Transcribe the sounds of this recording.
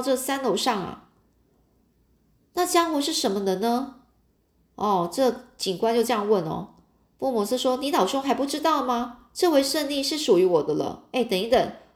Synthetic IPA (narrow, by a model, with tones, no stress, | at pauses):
ʈ͡ʂɤ˥˩sa˥nlo˧˥ʊʂɑ˥˩ŋɐ̰˩ | na˥˩t͡ɕjɑ˥ŋxu˥˧ʂɻ̩˥˩ʂə˧˥nmə˧d̪ə˧nə˧ | ɔ˥˩ʈ͡ʂɤ˥˩t͡ɕi˨˩ŋkwa˥nt͡ɕjo˥˧ʊʈ͡ʂɤ˥˧jɑ˥˧ŋwə˥˩nɔ̰˩ | pwɔ˥˩mɔ˧˥s̩˥ʂwɔ˥ni˧˥nɑ˨˩ʊʈ͡ʂʊ˥ŋxa˧ɪpu˥˩ʈ͡ʂɻ̩˥t̪ɑ˥˩ʊd̪ə˩ma˨˩ | ʈ͡ʂɤ˥˧we˥˧ɪʂə˥˧nli˥˧ʂɻ̩˥˩ʂu˨˩y˧˥wɔ˨˩d̪ə˦lə̰˧e˥˩ɪt̪ə˨˩ŋi˧˥t̪ə˨˩˦ŋ